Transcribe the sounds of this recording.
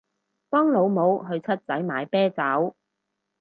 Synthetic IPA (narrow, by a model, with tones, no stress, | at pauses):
pɔː˥ŋlo˨˧wmo˨˧wɦɵ˧ɥt͡sʰɐ˥t̚t͡sɐ˨˥jmaː˨˧jpɛː˥t͡sɐː˨˥w